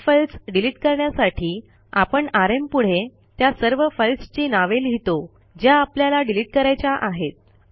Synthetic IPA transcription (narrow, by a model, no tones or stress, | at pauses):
fəlsɖiliʈkəɾɳjasaʈʰiː | apəɳaɾempuɽ̤e | t̪jasəɾʋəfəlst͡ɕinaʋelɦit̪o | d͡ʑjaːpljalaɖiliʈ̚kəɾajt͡ɕaʔaɦet̪̚